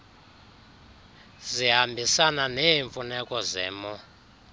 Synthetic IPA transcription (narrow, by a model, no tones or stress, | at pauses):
zʷiɦambʱisananeiɱfunɛkʼɔzɛ̰ːmɔ